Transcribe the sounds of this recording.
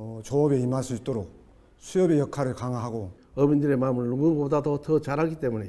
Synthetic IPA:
ʌt͡ɕoːbeimaɭs͈ʰuit͈oɾok̚ | sʰiʌbejʌkʰaɾɯɭkaŋaɦaɡo | ʌmindɯɾe̞mamɯɭːuɡɯŋɡbodadotʌt͡ɕaɾɦaɡit͈e̞mune

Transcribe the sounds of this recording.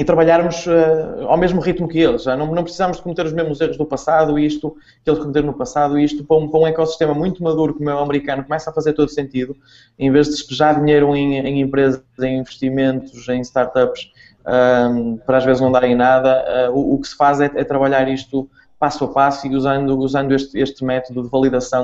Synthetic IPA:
it̪ɾɐβɐʎaɾmuʃɛa̰wmeʒmuʁit̪mukɨelˠʒʒanɐ̃w̃nɐ̃w̃pɾɨsizamʊʒðɨkumt̪eɾuʒmeʒmuzeʁuʒðupɐsaðuiʃt̪u | kelˠʃkumɨt̪eɾnupɐsaðuiʃt̪upɾɐũpɾɐũɛkɔsi̥ʃt̪emɐmũj̃t̪umɐðuɾukumɛwɐmɨɾikɐnukumɛsafɐzeɾt̪oðusẽnt̪iðu | ẽj̃veʒðɨʃpɨʒaðiɲejɾɐ̃w̃ẽj̃ẽj̃ẽmpɾezɐzẽj̃ĩvɨʃt̪imẽnt̪uzẽj̃ʃt̪aɾt̪apʃ | ɛpɔɾaʒvezɨʒnɐ̃d̪aɾẽj̃naðɐɛuːkɨ̥sɨ̥fazɛɛt̪ɾɐβɐʎaɾiʃt̪u | pasuɐpasuiuzɐ̃nd̪uuzɐ̃nd̪ueʃt̪eʃt̪ɨmɛt̪uðuðɨvɐlˠiðɐsɐ̃w̃

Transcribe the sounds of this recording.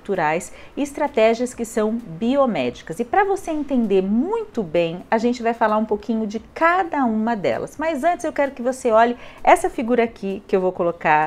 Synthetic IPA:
t̪uɾajsɪɪst̪ɾat̪ɛʒiɐskɪsɐ̃w̃biomɛ̰d͡ʒikɐzɪpɾɐvoseẽnt̪ẽnd̪eɾmũj̃t̪ʊbẽj̃ɐʒẽnt͡ʃɪvajfalaɾũpokĩɲʊd͡ʒɪkad̪ɐũmɐd̪ɛ̰lɐ̰smɐazɐ̃nt͡ʃɪzewkɛɾʊkɪvoseɔʎɪɛsɐfiɡuɾɐakʰikɪewvowkoloka

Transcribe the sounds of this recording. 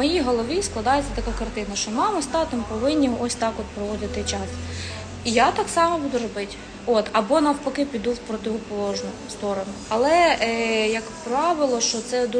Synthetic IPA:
mɔjiɦɔlˠɔʋʲisklˠɐd̪ɑjet͡sʲːɐt̪ɐkakɐrt̪ɪnɐʃt͡ʃɔmɑmɐst̪ɑt̪ɪmpɔʋɪnʲːiɔsʲt̪ɑkɔt̪̚pɾɔʋɔd̪ɪt̪ɪt͡ʃɑs | ijat̪ɑksɑmɐbud̪ʊɾɔbɪtʲ | ot̪ɐbɔnɐwpɐkɪpʲid̪uwpɾɔt̪ʲɪɦɔpɔlˠɔʒnʊ | st̪ɔɾɔnʊɐlˠɛ | jɐkpɾaɑʋɪlˠɔʃt͡ʃɔt̪sɛd̪u

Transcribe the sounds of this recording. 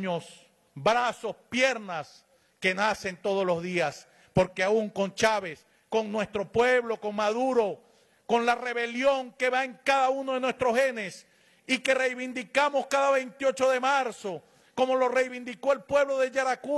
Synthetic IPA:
os | bɾasospje̞ɾnas | ke̞nase̞nt̪o̞ð̞olo̞zðias | po̞ɾkeauŋko̞nt͡ʃaβe̞s | koŋnwe̞st̪ɾo̞pwe̞βlo̞ko̞ŋmaðuɾo̞ | ko̞nlare̞βe̞ljo̞ŋke̞βaeŋkaðaunoðe̞nwe̞st̪ɾohe̞ne̞s | ike̞re̞jβind̪ikamo̞skaðaβejnt̪io̞t͡ʃo̞ðe̞maɾso̞ | ko̞mo̞lo̞re̞jβind̪iko̞elpwe̞βloðe̞ʝaɾaku

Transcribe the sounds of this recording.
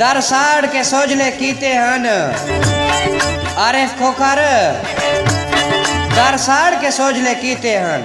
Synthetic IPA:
d̪ɐɾsaːɽkesoːd͡ʒleːkiːt̪eːɦaːn | aːɾeːfkʰoːkaɾ | d̪ɐɾsaːɽkeːsoːd͡ʒleːkiːt̪eːɦaːn

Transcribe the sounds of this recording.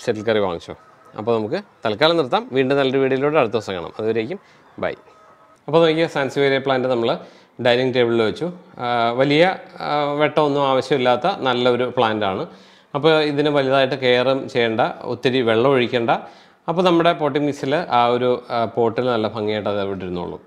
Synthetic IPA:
seʈːilkɐriʋa̰ːŋːit͡ɕːo̰ː | ɐ̰pːo̞ːnɐmuk̬ːɨt̪ɐlkaːlɐnirt̪ːaːmʋiːɳɖɨnɐlːɐɾuʋiːɽijiloːɽɨɐɽut̪ːɨɐsɐŋɡɐ̰ɳɐ̰mɐ̰ðuʋɐɾe̞ːkʲːum | bɐ̰j | ɐpːoːnɐmkʲːɨsaːnsiʋeɾipɭaːndɨnɐmːɐɭ | ɖɐjniŋʈeːbɐɭilʋet͡ɕːuʋɐlijɐʋe̞ʈːɐmonːumaːʋɐɕjɐmilːaːt̪ːɐnɐlːɐo̞ɾupɭaːndaːɳɨ | ɐpːo̞ːiðinɨʋɐlijɐðaːjiʈːɨke̞ːrɐmt͡ɕe̞jːeːɳɖɐṵt̪ːɐɾiʋeɭːɐmoɻikʲːeːɳɖɐ | ɐpːo̞ːnɐmːuɽe̞po̞ːʈːimːisilʔaːo̞ɾupo̞ːʈːilnɐlːɐpʰɐŋːjeːjʈːɐðeʋiʈːiɾunːṵɭːṵ

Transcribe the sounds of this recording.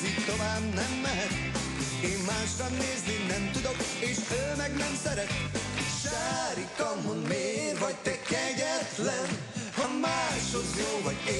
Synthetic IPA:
zitt̪ovaːbnɛmlɛɦɛt̪̚ | eːmmaːʃrɒnneːzninɛmt̪ud̪o̞keːʃøːmɛɡnɛmsɛɾɛt̪ʃaːɾikɒmhod̪meːrvɒɟ̚t̪ɛkɛɟɛt̪lɛn | hɒmːaːʃozjoːvɒɟe

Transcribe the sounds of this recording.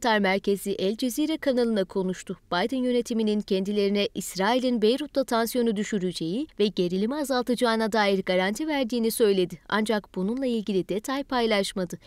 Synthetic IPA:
t̪ʰaɾmæɾce̞ziʔɛlʲd͡ʒe̞ziːɾɛkʰanalˠɯnakʰo̞nuʃt̪ʰʊb̥ajd̪ɯnjø̞ne̞t̪ʰiminincʰɛnd̪ilʲe̞ɾinɛʔisɾaːilʲinbe̞jɾut̪lˠat̪ʰansjo̞nud̪yʃyɾyd͡ʒe̞jivɛɟe̞ɾilʲimɛazalˠt̪ʰɯd͡ʒaːnad̪aːjiɾɡaɾant̪ʰivæɾd̪iːnisø̞jlʲe̞d̪ɪa̰nd͡ʒakb̥ununlˠailʲɟilʲid̪et̪ʰajpʰajlˠaʃmad̪ɯ

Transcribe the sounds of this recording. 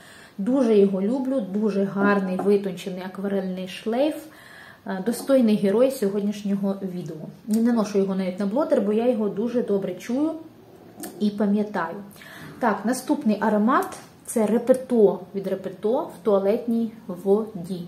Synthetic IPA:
d̪uʒɛjɔɦɔlʲublʲʊd̪uʒɛɦɑrnɪjʋɪt̪ɔnʲt͡ʃenɪjɐkʋɐɾɛlʲnɪjʃlˠɛjf | d̪ɔst̪ɔjnɪjɦeɾɔjsʲɔɦɔdʲnʲiʃnʲɔɦɔʋʲid̪eɔjinɛnˠɔʃʊjɔɦɔnɑʋʲitʲnɐblˠɔt̪erbɔjɑjɔɦɔd̪uʒɛd̪ɔbɾɛt͡ʃujʊ | ipɐmʲjɐt̪ɑjʊ | t̪ɑknɐst̪upnɪjʔɐɾɔmɑt̪ | t̪sɛrepet̪ɔʋʲid̪repet̪ɔwt̪ɔɐlˠɛt̪ʲnʲijʋɔdʲi

